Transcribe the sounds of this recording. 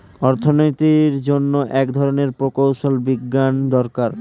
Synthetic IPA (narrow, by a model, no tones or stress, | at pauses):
ɔɾt̪ʰonojt̪iɾd͡ʑonːoʔɛkd̪ʱɔɾoneɾpɾokowʃolbiɡːand̪ɔɾkaɾ